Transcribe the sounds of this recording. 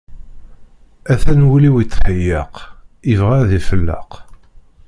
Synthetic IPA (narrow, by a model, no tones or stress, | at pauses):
æθænwuliwit͡sːħəjɑ̰qivʁæðifəlːə̰q